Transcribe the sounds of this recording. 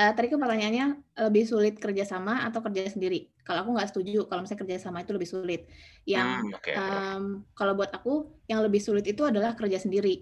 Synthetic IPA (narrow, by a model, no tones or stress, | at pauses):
ʔəːt̪adikup̬ərt̪aɲaanɲaləbɪhsulɪt̪̚kərd͡ʒasamaat̪awkərd͡ʒasəndiɾi | kaloakuŋɡaʔsə̥t̪ud͡ʒukalowmisaɲakərd͡ʒasamait̪uləbɪhsulɪt̪̚jaŋʔəmkalawbuat̪akujaŋləbɪhsulɪt̪it̪uadalahkərd͡ʒasəndiɾi